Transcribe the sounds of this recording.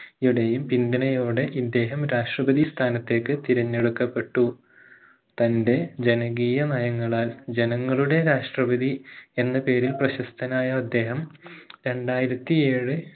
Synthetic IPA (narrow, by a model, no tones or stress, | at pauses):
iɽejumpind̪ɐnɐjo̞ːɽe̞ʔid̪ːe̞ːɦɐmɾaːʂʈrɐbɐd̪ist̪ʰaːnɐt̪ːe̞ːkːɨt̪iɾɐɲːeɽukːɐpːe̞ʈːu | t̪ɐnde̞d͡ʑe̞nɐɣiːjɐnɐjɐŋːɐɭaːld͡ʑe̞nɐŋːɐɭuɽe̞ɾaːʂʈrɐbɐðie̞nːɐpe̞ːɾilprɐɕɐst̪ʰɐnaːjɐːd̪ːe̞ːɦɐmɾe̞ɳɖaːjiɾɐt̪ːie̞ːɻɨ